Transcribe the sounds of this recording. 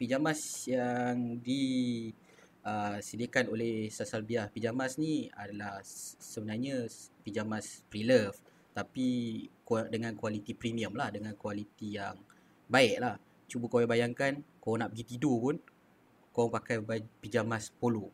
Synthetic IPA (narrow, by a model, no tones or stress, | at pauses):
pid͡ʒamasjaŋdi | əsədiakanolehsasalbiaspid͡ʒamasnia̰dalahsəbənarɲəpid͡ʒamaspɾiləf | t̪apikdəŋãnkwalit̪ipɾimiəmlahdəŋankwalit̪ijaŋ | baɛʔlah | t͡ʃubəkowɛbajaŋkankoɔŋnaʔbəɡit̪idopʊn | koɔŋpakajbapid͡ʒamaspolo